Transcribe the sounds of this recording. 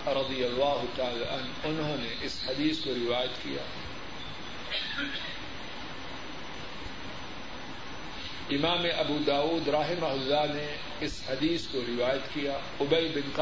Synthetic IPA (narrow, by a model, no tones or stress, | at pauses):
ɾɐd̪ijɐlːaːɦʊt̪aːlaʔɐn | ʊnɦõːneʔɪshɐd̪iːskoɾɪʋaːjat̪kḭja̰ː | ɪmaːmeʔɐbuːd̪aːuːd̪ɾaːɦɪmaɦʊzːane | ɪshɐd̪iːskoɾɪʋaːjət̪kijaː | ʊbejbɪnq